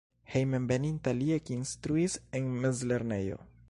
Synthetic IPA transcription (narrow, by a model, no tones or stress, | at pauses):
hejmenbenintaliekiinstɾuisenmezle̞ɾne̞jo̞̰